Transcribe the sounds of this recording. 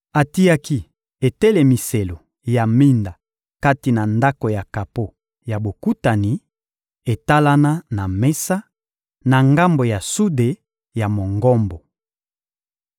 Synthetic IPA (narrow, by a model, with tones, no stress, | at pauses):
a˨ti˦a˦ki˦ | e˨te˦le˨mi˨se˨lo˨ | ja˨mi˦nda˨ | ka˦ti˨na˨nda˦ko˨ja˨ka˨po˦ | ja˨bo˨ku˦ta˨ni˨ | e˨ta˦la˦na˦na˨me˦sa˦ | na˨ŋɡa˦mbo˨ja˨su˦de˨ | ja˨mo˨ŋɡɔ˦mbo˨